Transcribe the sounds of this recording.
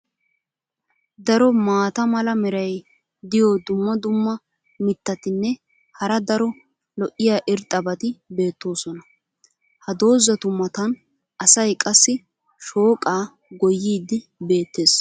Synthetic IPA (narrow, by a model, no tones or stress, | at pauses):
d̪ɐɾɔmaːt̪ɐmɐlɐmɛɾɐj | d̪ɪjɔd̪ʊmːɐd̪ʊmːɐ | mɪt̪ːɐt̪ɪnːɛ | hɐɾɐd̪ɐɾɔ | lɔʔːɪjaːʔɪɾt̪ʼːɐbɐt̪ɪbe̞ːt̪ːo̞ːsɔnɐ | hɐd̪o̞ːzɐt̪ʊmːɐt̪ɐn | ɐsɐjkʼɐsːɪ | ʃo̞ːkʼaː | ɡɔjːiːd̪ɪ | be̞ːt̪ːe̞ːs